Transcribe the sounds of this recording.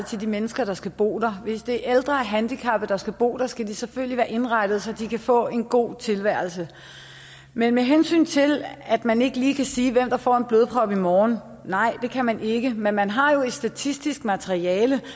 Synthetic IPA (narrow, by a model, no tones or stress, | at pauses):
t͡sʰe̝d̥imenəsɡ̥ɐɾ̥ɑ̈sɡ̥æb̥o̝̰ːd̥ɑ̈ʋe̝sd̥e̝æɐʔeld̥ʁɐæɐɦænd̥ikʰɑb̥ðd̥ɑ̈sɡ̥æb̥o̝̰ːd̥ɑsɡ̥æd̥iseføl̰liʋæːɐʔe̝nʁɑ̈ɪd̥ð̞̩ˠsɒ̽d̥ikʰæfɔ̰̽ːe̝nɡ̥o̝̰ːt͡sʰe̝lʋæɐl̩sə | menmeɦensy̰ːnt͡sʰe̝læd̥mæne̝ɡ̥əliːkʰæsiːʋem̰d̥ɑ̈fɒ̰ːe̝nb̥løːð̞ˠpʰʁɒ̽b̥imɒːn̩ː | ɑ̈ɪ̰d̥e̝kʰæmænʔe̝ɡ̥əmenmænɦɑ̈jo̝e̝d̥sd̥æt͡sʰisd̥isɡ̥mæt͡sʰeʁiɛːlə